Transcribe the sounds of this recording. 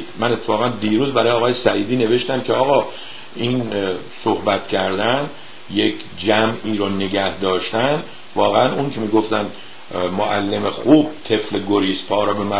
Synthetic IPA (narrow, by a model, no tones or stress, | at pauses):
mæne̞t̪ʰːefɒːɣænd̪iːɾuːzbæɾɒːjeːɣɒːjesæʔiːd̪iːne̞ve̞ʃt̪æmcʰeɒːɣɒː | iːn | sohbæt̪cʰæɾd̪æn | jekʰ | d͡ʒæmiːɾone̞ɟæhd̪ɒːʃt̪æn | vɒːɣeænuŋkʲʰemiːɡo̞ft̪æn | moʔælːemexuːb̥̚t̪ʰe̞fleɡoɾiːspʰɒːɾɔbemæ